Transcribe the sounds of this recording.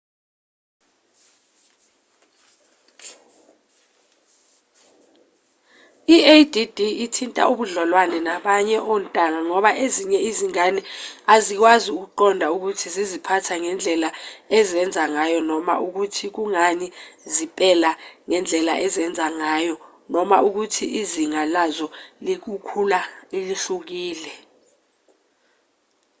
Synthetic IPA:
iedidiitʰintʼa̰ʔuɓuɮɔlwanɛnaɓaɲɛʔɔntʼaŋaŋɔɓaʔeziɲɛiziŋanɛazik̬waziuk̬uǃɔndʱauk̬utʰizizipʰatʰaŋɛnd͡ɮʱɛlaɛzɛnd͡zʱaŋajɔnɔma̰ʔuk̬utʰik̬uŋaɲizipʼɛlaŋɛnd͡ɮʱɛla̰ʔɛzɛnd͡zʱaŋajɔ | nɔmaʔuk̬utʰiʔiziŋalazɔlik̬ukʰulailiɬuk̬iːlɛ

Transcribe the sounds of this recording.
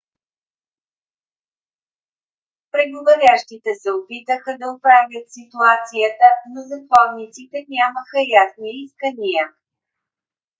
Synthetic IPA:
pɾɛɡovɐɾʲjaʃt̪it̪ɛsɛopit̪əxəd̪ɐopɾavʲjət̪sit̪uat̪sijət̪ənozɐkɔvnit̪sit̪ɛnʲaməxəjasniiskənijə

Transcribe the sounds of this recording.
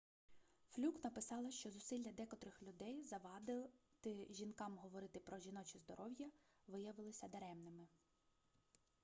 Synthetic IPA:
flʲuknɐpɪsɑlˠɐʃt͡ʃɔzʊsɪlʲːɐd̪ɛkɔt̪ɾɪxlʲʊd̪ɛjzɐʋɑd̪ɪt̪ɪʒʲinkɑmɦɔʋɔɾɪt̪ɪpɾɔʒʲinɔt͡ʃizd̪ɔɾʔɔwjɐʋɪjɐʋɪlˠɪsʲɐd̪eɾɛmnɪmɪ

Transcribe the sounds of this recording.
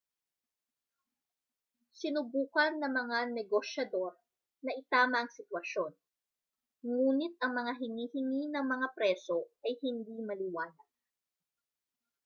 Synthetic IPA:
sɪnʊbuːkɐnːɐŋmɐŋanɛɡoʃjɐd̪o̞ɾ | nɐʔɪt̪aːmɐɐŋsɪt̪wɐʃo̞n | ŋuːnɪt̪̚ʔɐŋmɐŋaɦɪŋiːhɪŋinɐŋmɐŋapɾɛso̞ʔɐjhɪnd̪imɐlɪwaːnɐɡ̥

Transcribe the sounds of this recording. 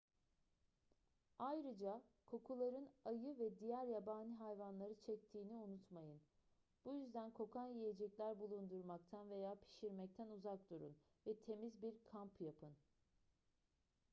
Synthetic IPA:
ajɾɯd͡ʒakʰo̞kʰulˠaɾɯnajɯvɛd̪ijæɾjabaːnʲiɦajvanlˠaɾɯt͡ʃʰɛc̚t̪ʰiːniunut̪majɯn | b̥ujyzd̪ænkʰo̞kʰanjijed͡ʒɛclʲæɾbulˠund̪uɾmak̚t̪ʰanve̞jaːpʰi̥ʃiɾmɛc̚t̪ʰænuzak̚d̪uɾṵn | vɛt̪ʰe̞mizbiɾkʰampjapʰɯn

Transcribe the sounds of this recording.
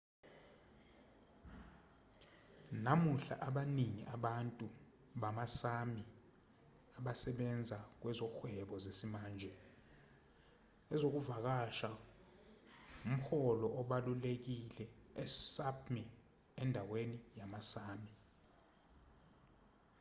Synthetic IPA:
namuɬa̰ʔaɓaniŋḭʔaɓantʼu | ɓamasami | aɓasɛɓɛnd͡zʱak̬wɛzɔxwɛɓɔzesimaːnd͡ʒʱɛ | ɛzok̬uvak̬aʃa | um̩xɔlɔʔɔɓalulek̬ilɛɛsapʰmɛ | ɛndʱawenijamasaːmi

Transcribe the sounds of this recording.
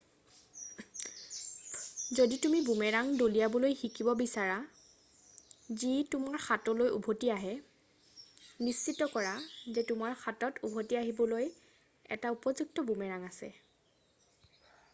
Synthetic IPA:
zoditumibumɛɹaŋdolijabɔlojxikibɔbisaɹa | zitumaɹxatɔlojṵbʱotiaɦɛ | nist͡ʃitːɔkɔɹazɛtʊmaɹxatɔtubʱotiaɦibɔloj | ɛ̰taupɔzuk̚tɔbumɛɹaŋasɛ̰

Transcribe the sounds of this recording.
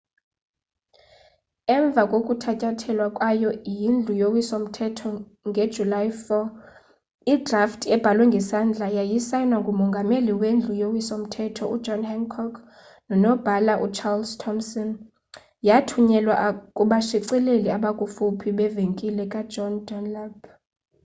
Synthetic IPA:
ɛɱb̪vʱakʼokʼutʰacʼatʰɛlwakʼwajɔjind͡ɮʱujowisom̩tʰɛtʰɔ | ŋɡʱe̥ʒ̥ʱulaifɔ | idraftʰɛb̥ʱalwɛŋɡʱɛsand͡ɮʱajajisajnwaŋɡʱumɔŋɡʱameliwend͡ɮʱujowisom̩tʰɛtʰɔu̥d͡ʒʱɔnhɛŋkʰɔkʰ | nɔnɔb̥ʱalaʔut͡ʃʰarlstʰɔmsɔn | jatʰuɲɛlwaʔkʼuɓaʃiǀileliaɓakʼufupʰiɓɛveŋkʼilɛkʼḁd͡ʒɔndɔnlab̥

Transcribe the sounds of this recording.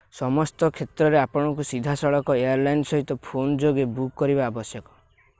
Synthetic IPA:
sɔmɔst̪ɔkʰet̪ɾɔɾeapɔɽ̃ɔkusid̪ʱasɔɭɔkɔejaɾlajnsɔɦit̪ɔpʰond͡ʒoɡebukːɔɾibaːbɔsjɔkɔ̥

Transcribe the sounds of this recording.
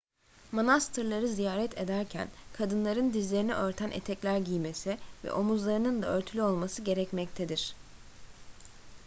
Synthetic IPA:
monast̪ʰɯɾlˠaɾɯzijaːɾɛt̪ʰe̞d̪æɾcʰæ̰nkʰad̪ɯnlˠaɾɯnd̪izlʲe̞ɾiniʔø̞ɾt̪ʰænʔḛt̪ʰɛclʲæɾɟijme̞sivɛ̰ʔo̞muzlˠaɾɯnɯnd̪aø̞ɾt̪ʰylʲyo̞lˠmasɯɟe̞ɾɛcmɛc̚t̪ʰed̪iɾ̝̥

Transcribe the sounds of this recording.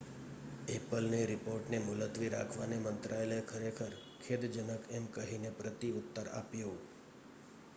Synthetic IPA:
epəlneɾɪpoɾʈnemʊlət̪ʋiɾakʰʋanemənt̪ɾʔaelekʰəɾekʰəɾkʰed̪d͡ʒənəkɛmkəɦinepɾət̪iʊt̪ːəɾa̰pjo

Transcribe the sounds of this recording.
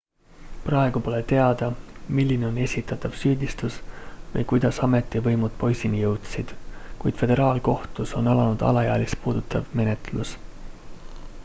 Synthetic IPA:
prɑeɡ̥upo̞le̞t̪e̞ɑd̪̥ɑmilʲːineo̞ne̞sʲit̪ːˑɑt̪ːˑɑvsyːd̪ist̪usvɤjkujd̪̥ɑsɑme̞t̪ˑːivɤjmud̪̥̚po̞jsʲinijɤwt̪sid̪̥kujd̪̥fe̞d̪̥e̞ɾɑːlko̞ht̪uso̞nɑlɑnud̪̥ɑ̰lɑjɑːlispuːd̪̥ut̪ːˑɑvme̞ne̞t̪lus

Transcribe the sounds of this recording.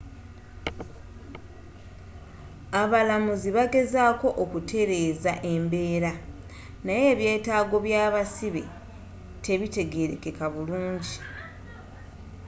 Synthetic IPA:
aβalamuziβaɡe̞zaːko̞ʔokutʰe̞ɾe̞ːzaʔe̞mbe̞ːɾa | naje̞ːβje̞ːtaːɡo̞βjaːβasiβe̞̰ | te̞βite̞ɡe̞ɾeke̞kaβuluːɲɟi

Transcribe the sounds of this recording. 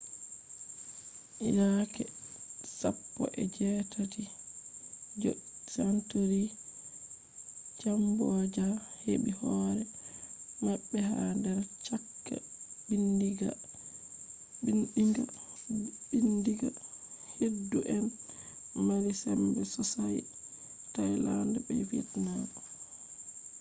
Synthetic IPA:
ʔinakɛsapːɔ̰ʔɛ̰d͡ʒɛtati | d͡ʒɔsantoɾi | t͡ʃambɔd͡ʒaheɓihɔːɾɛ | maɓːɛhandaɾt͡ʃakːa̰ | bindiɡa̰ | binɗiŋɡa̰ | ɓindiɡa̰hedːuʔɛn | malisɛmbɛsɔsaj | tajlandabɛ̰fitnadɔ

